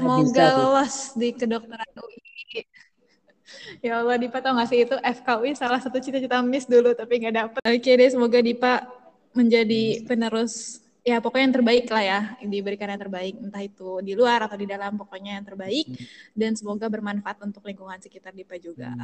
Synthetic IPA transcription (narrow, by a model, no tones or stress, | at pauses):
səmoɡaləlɔsdikədok̚t̪əɾanuʔ | jaləlɔhdipat̪auŋasɪhit̪uʔɛfkauisalahsat̪ut͡ʃit̪at͡ʃit̪amɪsdulut̪apiŋɡadapəokedasəmoɡadipa | məɲd͡ʒadipənəɾʊs | japokoɲjaŋt̪ərbaɪklahjadibəɾikanaaŋt̪ərbaɪk̚nt̪ahit̪udiluaɾat̪awdidalampokoɲajaŋt̪ərbaɪk̚dansəmoɡabərmanfaʔat̪unt̪ʊkliŋkuŋansəkit̪ardipad͡ʒuɡa̰